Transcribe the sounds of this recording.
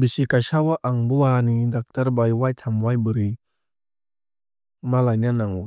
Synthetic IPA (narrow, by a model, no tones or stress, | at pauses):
bisikajsawaʔaŋbuanidak̚taɾbajwajtʰamwajbɯɾi | malajnanaŋu